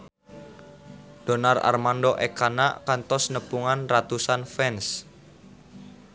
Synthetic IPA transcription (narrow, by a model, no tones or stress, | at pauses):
d̥o̤nara̰rmanɖɔʔekana̰ʔkant̪ɔsnəpuŋanrat̪usanfɛns